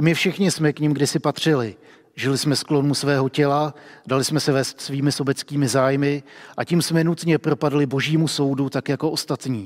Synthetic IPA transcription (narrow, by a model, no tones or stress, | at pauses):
mɪfʃɪxɲɪsmɛkɲɪmɡdɪsɪpat̪r̝̥ɪlɪ | ʒɪlɪsmɛsklo̞nusvɛːɦo̞cɛladalɪsmɛsɛvɛːst̪sviːmɪso̞bɛt͡skiːmɪzaːjmɪʔaciːmsmɛnut̪ɲɛpɾo̞padlɪbo̞ʒiːmuso̞wdut̪akjako̞ʔo̞st̪at̪ɲiː